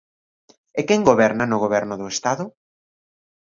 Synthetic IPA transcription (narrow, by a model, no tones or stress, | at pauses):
ekɛŋɡoβɛɾnanʊɣoβɛɾnʊðʊest̪aðʊ